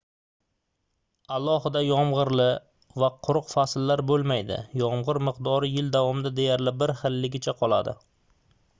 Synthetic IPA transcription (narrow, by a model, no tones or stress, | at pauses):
alˠɒhɪd̪ajɒmʁɨɾlɪ | vaqʰʊɾʊqfaslːaɾbolˠmajd̪ɪ̰jɒmʁɨɾmɨqd̪ɒɾɪjɪld̪avɒmɪd̪ad̪ejaɾlɪbɪɾχɪlːɪɡʲɪt͡ʃʰaqʰɒlˠa̰d̪ɪ̰